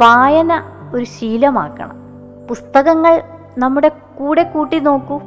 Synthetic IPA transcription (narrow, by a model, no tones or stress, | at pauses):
ʋaːjɐnɐo̞ɾuɕiːlɐma̰ːkːɐ̰ɳɐ̰m | pust̪ɐɣɐŋːɐɭ | nɐmːuɽe̞ | kuːɽe̞kuːʈːino̞ːkːu